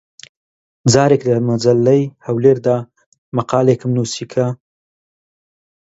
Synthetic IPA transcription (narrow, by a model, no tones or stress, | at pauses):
zɑːɾeklamazalːajhawleɾd̪a | maqɑːlekəmnusikʰa